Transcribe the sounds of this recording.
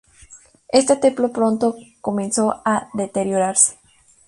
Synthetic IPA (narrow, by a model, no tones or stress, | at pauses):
e̞st̪et̪e̞mplopɾo̞nt̪o̞ko̞mẽnso̞aðe̞t̪e̞ɾjo̞ɾaɾse̥